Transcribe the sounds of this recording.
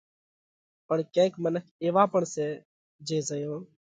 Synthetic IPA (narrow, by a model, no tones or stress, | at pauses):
pəɳkẽːkmənəkʰeːʋaːpəɳseː | d͡ʒeːzəjõː